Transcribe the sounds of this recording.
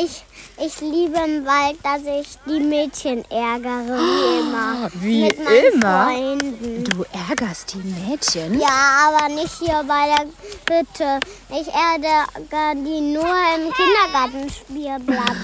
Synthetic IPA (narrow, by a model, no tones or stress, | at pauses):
ʔɪçʔɪçliːbəɪmvalt̚d̥asɪçd̥iːmɛːtçənʔɛɐɡəʁəɪməvimɪtmaɪɪmfʁɐɔʏndn̩d̥uːʔɛɐɡɐst̚d̥iːmɛːtçənjaːʔaːβɐnɪçthiːɐbaɪdeːɐhʏtʰəʔɪçʔɛɐɡəɡadiːnuːɐɪmkʰɪndɐɡaɐtn̩ʃpiːɐblaɪp